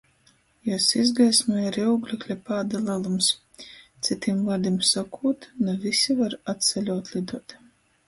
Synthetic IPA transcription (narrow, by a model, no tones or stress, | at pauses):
jasizɡajsmaaɾiuwɡlʲɛklʲapaːd̪alˠalˠums | t̪sit̪imvad̪imsakʰuːt̪navisʲivaɾat̪t̪sɛlʲuːt̪lˠid̪uɔt̪